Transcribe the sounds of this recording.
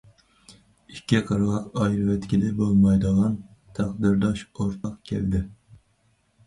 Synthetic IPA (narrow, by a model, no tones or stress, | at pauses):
ikʲʰːɛqʰɑɾʁɑqɑjɾɨvɛt̪kʲilɪbolˠmɑjd̪əʁɑn | t̪ʰæχd̪ɪɾd̪ɑʃoɾt̪ʰɑqkʲʰɛ̰ld̪ɪ